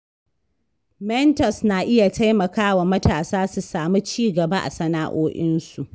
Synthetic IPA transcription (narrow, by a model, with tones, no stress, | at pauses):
mɛ˦ntɔ˨snaː˨ʔɪ˦ja˨tʰa˦jmɐ˨kaː˦wa˨mɐ˦taː˨saː˦su˨saː˨mi˦t͡ʃiː˦ɡɐ˨ba˦ʔa̰˨sɐ˦naː˦ʔoː˦ʔɪ˦nsu˨ʔ